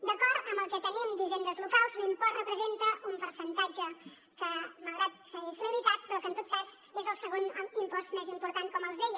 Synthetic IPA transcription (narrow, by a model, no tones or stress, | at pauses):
d̪əkɔɾt̪əmbəlˠkɛt̪ənimd̪izend̪əzlukalˠzlimpɔrəpɾəzent̪əʔumpəɾsənt̪ad͡ʒə | kəməɣɾat̪̚t̪əŋisələɾit̪at̪̚pɾɔkənt̪ot̪̚kazezəlˠsəɣonimpɔst̪mɛzimpuɾt̪aŋkɔməlˠzðeʎ